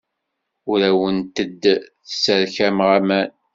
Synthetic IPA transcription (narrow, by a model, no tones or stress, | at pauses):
ʊɾæwənt̪əd̪θə̥səɾçæmʁæmæn